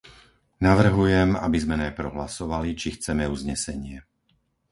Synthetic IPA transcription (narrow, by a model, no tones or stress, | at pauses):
naʋr̩ɦujɛma̰bizmɛnajpɾɔɦlasɔʋalit͡ʃixt͡sɛmɛuzɲɛsɛɲɪɛ